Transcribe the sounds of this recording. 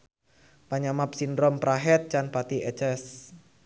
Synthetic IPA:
paɲamap̚sindɾɔmpɾaɦɛt̪̚t͡ʃanpat̪iʔɛt͡ʃɛs

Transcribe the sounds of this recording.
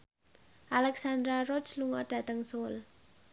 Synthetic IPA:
ʔalɛksand̪ɾarɔt͡ʃluŋɔɖ̥ä̤t̪əŋsol

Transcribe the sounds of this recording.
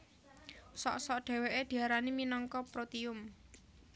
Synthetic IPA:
sɔ̰ʔsɔʔɖ̥e̤weʔed̪̥i̤aɾaniminɔŋkɔpɾot̪iʊm

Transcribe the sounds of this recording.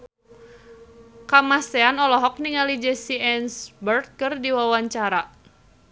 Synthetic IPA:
kamaseanɔlɔɦɔk̚niŋalid͡ʒɛsiɛnsbərt̪̚kɨrdiwawaɲt͡ʃaɾa

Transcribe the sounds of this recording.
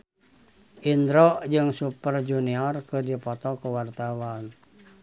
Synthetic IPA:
ʔind̪ɾɔd͡ʒɨŋsupərd͡ʒuniɔrkɨdipɔt̪ɔkuwart̪awan

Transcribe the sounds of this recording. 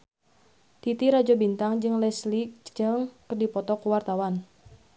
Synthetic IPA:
t̪it̪iɾad͡ʒɔbint̪aŋd͡ʒɨŋlɛslik̚d͡ʒɨŋkərdipɔt̪ɔkuwart̪awan

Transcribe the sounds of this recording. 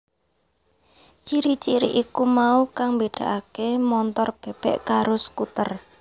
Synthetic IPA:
t͡ʃiɾit͡ʃiɾiʔikumaukaŋmbeɖ̥a̤ʔakemɔnt̪ɔrb̥ɛ̤b̥ɛʔkaɾʊsə̥kut̪ər

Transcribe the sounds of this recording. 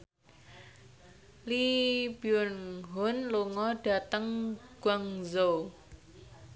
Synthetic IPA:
lib̥iʊnɦʊnluŋɔɖ̥a̤t̪əŋɡ̥waŋzow

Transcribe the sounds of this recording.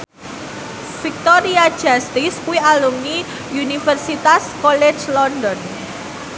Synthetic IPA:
fik̚t̪ɔɾiḁʒ̥ast̪iskuialuŋni | unifərsit̪askɔle̥d͡ʒlɔndɔn

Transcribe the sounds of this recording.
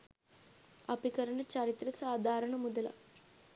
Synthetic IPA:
ɐpikɐɾɐɳɐt͡ʃɐɾit̪ɾɐsaːd̪ʱaːɾɐɳɐmud̪ɐlɐ̰

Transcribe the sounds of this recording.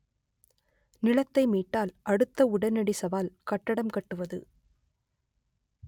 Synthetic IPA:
nɪlɐt̪ːɐɪmiːʈːaːlʔɐɽɯt̪ːɐʊɽɐnɐɽisɐʋaːlkɐʈːɐɽɐmkɐʈːɯʋɐðɯ̰

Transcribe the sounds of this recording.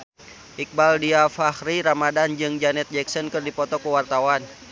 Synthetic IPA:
ʔik̚baldiafahriɾamadand͡ʒɨŋd͡ʒanɛt̪̚d͡ʒɛksɔnkɨrdipɔt̪ɔkəwart̪awan

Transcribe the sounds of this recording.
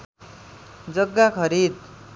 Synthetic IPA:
d͡zʌɡːakʰʌɾid̪̚

